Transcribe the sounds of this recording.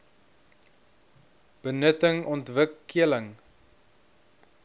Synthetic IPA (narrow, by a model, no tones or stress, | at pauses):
b̥ənətəŋɔntvəkːiələŋ